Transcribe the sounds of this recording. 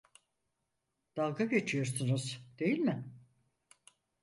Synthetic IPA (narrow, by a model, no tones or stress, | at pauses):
d̪̥alˠɡaɡet͡ʃʰijo̞ɾsunuz̥d̪̥e̞jilʲmɪ